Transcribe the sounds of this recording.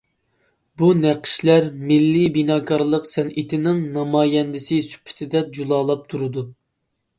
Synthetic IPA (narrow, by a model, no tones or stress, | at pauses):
bunæqʰɨ̥ʃlæɾmɪlːibinɑːkʰɑɾlˠəqsɛnʔit̪ʰɪnɪŋnɑmɑːjɛnd̪ɪsɪsy̥pʰɪ̥t̪ʰɪd̪ɛd͡ʒulˠɑːlˠɑp̚t̪ʰuɾɨd̪u